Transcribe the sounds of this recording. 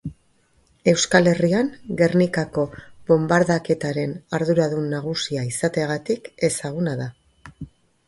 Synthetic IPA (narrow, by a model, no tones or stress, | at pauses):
e̞wskale̞riaŋɡe̞rnikako̞βo̞mbaɾðake̞t̪aɾe̞naɾðuɾaðunːaɣ̞usiaisat̪e̞ɣ̞at̪ike̞saɣ̞unaða